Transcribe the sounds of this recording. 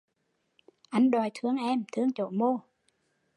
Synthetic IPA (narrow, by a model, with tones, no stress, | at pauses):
ʔa˧˩ŋɗɔ˨˩jt̪ʰɨ˧əŋʔɛ˧mt̪ʰɨ˧əŋt͡ɕo̰˧˩mo˧